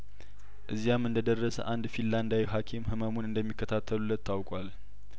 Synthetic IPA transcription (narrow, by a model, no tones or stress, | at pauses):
ʔɨzːijamːɨnd̪əd̪ərːəsə̰ʔand̪filːand̪awiɦakʰimhɨməmunɨnd̪əmːikːət̪ʰat̪ʰːəlulːət̪ːawkʼwal